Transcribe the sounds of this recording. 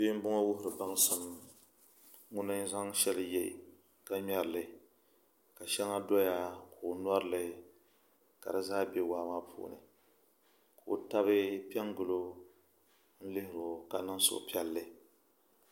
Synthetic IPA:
biː˦m̩˦bʊ˦ŋɔ˦wʊ˦hʊ˨ɾɨ˨ba˦ŋ˦sɨ˨m | ŋʊ˦nɨ˦n˦za˦ŋʃɛ˦lɨ˨jɛ̰˦˨ | ka˦ɲɛ˦ɾɨ˨lɨ˨ | ka˨ʃɛ˦ŋa˦dɔ˦ja˦ko˨nwɔ˦ɾɨ˦lɨ˨ | ka̰˨dɨ˨zaː˦be˦waː˦maː˦pʰṵː˦˨nɨ̰˨ | kʰo˨ta˦βɨ˦pi˦ɛ˦ŋɡʊ˨lo˦ | n̩˦lɨ˦hɪ˨ɾo˨ka˨nɨ˦ŋ˦so̰˨ʔpi˦ɛ˦lːɨ˦

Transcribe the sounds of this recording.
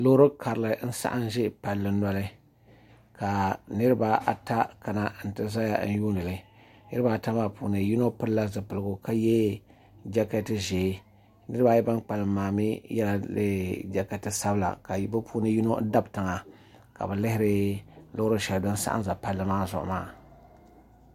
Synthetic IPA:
lo˦ɾɨ˦kʰa˨ɾɨ˨lɨ˨n̩˦sa̰˦ʔa̰˦nʒɪ˦pa˨lːɨ˨nɔ˦lɨ˦ | ka˨nɨ˦ɾɨ˦ba˦ʔa˨ta˦ka˨na˨n̩˨tɨ˦za˦ja˦n̩˦juː˦nɨ˨lɨ˨ | nɨ˦ɾɨ˦ba˦˨ta˦maː˦pṵː˨nɨ˨ji˦no˦pɨ˦lla˦zɨ˨pɨ˨lɨ˨ɡʊ˨ka˦jɛ˦ | d͡ʒa˦kɛ˦tɨ˦ʒeː˨˦ | nɨ˦ɾɨ˦ba˦jɛ˦ba˦nk͡pa˨lɨː˨aː˨mi˦jɛ˦la˨lɨ̰˦d͡ʒa˦kɛ˨tɨ˦sa˦bla̰˨ka˨˦bɨ˦pʰu˦nɨ˦ji˦no˦da˦btɨ˨ŋa˨ | ka̰˨bɛ˨lɪ˦hɪ˦ɾɨ˦lʊ˦ʊ˦ɾɨ˦ʃɛ˨ldɨ˦nsa̰˦ʔa̰˦za˨pa˦lːɨ˦maː˦zʊ̰˨ʔʊ̰˨ma̰ː˦˨

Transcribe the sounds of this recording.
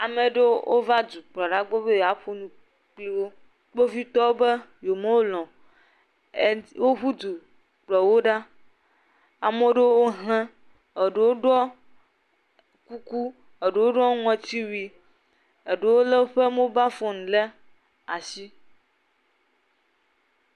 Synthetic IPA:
a˨me˨ɖe˦wʔo̰˦va˦d̪u˨k͡plɔ˨ɖa˦ɡ͡bo˦be˦ja˨ɸo˦nũ˨ | k͡pli˦wo˦ | k͡po˦vi˦t̪ɔ˦be˦jo˨me˦wo˦lɔ̃˨ | wo˦ɸu˦d̪u˨ | k͡plɔ˨wo˦ɖa˦ | a˨mõ˦ɖe˦wo˦ɦlɛ̃˦ | e˨ɖe˨wo˦ɖɔ˦ | ku˦ku˦ | e˨ɖe˨wo˦ɖɔ˦ŋɔ̃˨˦t̪i˦wi˨ | e˨ɖe˦˨wo˦le˦ɸe˦me˦ba˦fɔ˦nũ˨le˦ | a˨si˦

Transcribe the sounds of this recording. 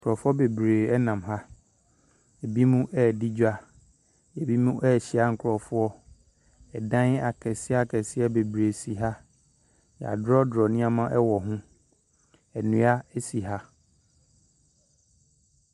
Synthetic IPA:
ŋŋ˨kʰʊ˨ɔ˨fʊ˦ɔ˦be˨bɾeː˨ɛ˦nã˨mɦa˦ | e˨bi˦mũ˦ʔɛ˦˨di˦d͡ʑᶣa˦ | e˨bi˦mũ˦ʔɛ˦˨ɕi˦a˦ŋ̩˨kʰɾɔ˨fʊ˦ɔ˦ | ɛ˨dã˦n˦a˨kʰɛ˨sɪ˦a˦kʰɛ˨sɪ˦ɛ˦be˨bɾe˨si˨ɦa˦ | j̰a̰˨dɾɔ˦dɾɔ˨nɪ̃˦a˦mã˦ʔɛ˦wɔ˨ɦʊ̃˦ | ɛ˨nũ˦a˦ɛ˦si˨ɦa˦

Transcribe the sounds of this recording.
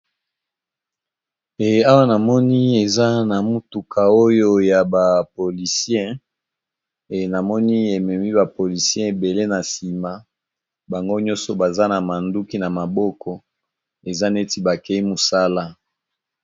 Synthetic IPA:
e˨a˦wa˦na˨mɔ˦ni˦e˨za˦na˨mu˦tu˨kʰa˨o˦jo˦ja˨ba˨po˨li˨sjɛ̃˦ | e˨na˨mɔ˦ni˦e˨mɛ˨mi˦ba˨po˨li˨sjɛ̃˦e˨be˨le˦na˨si˨ma˦ | ba˨ŋɡo˦ɲɔ̃˦so˨ba˨za˦na˨ma˨ndu˦ki˦na˨ma˨bɔ˦kʰɔ˦ | e˨za˦ne˦ti˦ba˨kɛ˦i˦mo˨sa˦la˦

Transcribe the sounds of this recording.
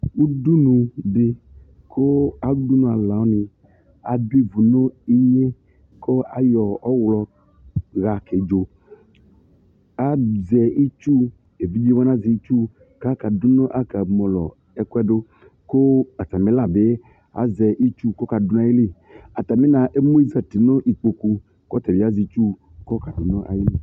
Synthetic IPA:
u˦du˦nũ˨be˦ | kʰo˦a˨˦du˦nũ˨a˨la˨wo˦nĩ˨ | a˨du˦i˦˨vu˨no˦i˦je˦ | ko˦a̰˨jɔ˨ɔ˦wlɔ˨ | ɣa˨ke˨d͡ʒo˨ | a˨zɛ˨i˦t͡ʃu˦ | e˨vi˦bi˦wa˦nã˦zi˨i˦t͡ʃu˦ | ka˦ka˨du˦nɔ̃˦ʔa˦ka˨mɔ̃˨lɔ˨ | ɛ˦ku˦ɛ˦ɖo˦ | ko˦a˨ta˨me˨˦la˨be˦ | a̰˨zɛ˨ʔi˦t͡ʃu˦kɔ˦ka˨do˦nã˦ji˦li˦˨ | a˨ta˨me˦nã˨ʔe˦mo˦i˦zɛ˨ti˨nõ˦ʔi˨k͡po˨ku˨ | kɔ˦tɛ˨bi˦a˦zi˨t͡ʃu˦ | kɔ˦ka˨do˨nɔ̃˦ʔa̰˨ji˦le˦˨

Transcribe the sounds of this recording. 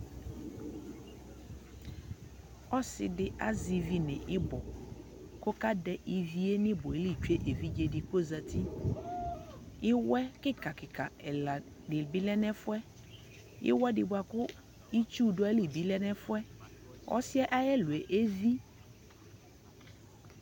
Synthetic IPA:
ɔ˦sɪ̰˨dɪ˨ʔa˦zi˨vi˦nɪ̰̃˨ʔɪ˦bɔ˨ | kʊ˦ka˦dɛ˦ʔi˨vi˦e˦nɪ̃˦bʊ˨e˨˦li˦˨t͡ʃu˦e˦ʔe˨vi˦d͡ʒe˨dɪ˨ko˦za˨ti˦ | ɪ˦wɛ˦kɪ˦ka˨kɪ˨ka˨ɛ˨la˨ | dɪ˨bi˦lɛ˦nɛ˦fʊ˦ɛ˦ | ɪ̰˦wɛ˦dɪ˨bʊ˨˦a˨kʊ˦ | i˦t͡ʃu˦dʊ˦a˦li˨bi˦lɛ˦nɛ˦fʊ˦ɛ˦ɔ̰˦sɪ˦ɛ˦ʔa˦jɛ˦lʊ˨e˨ʔe˦vi˦

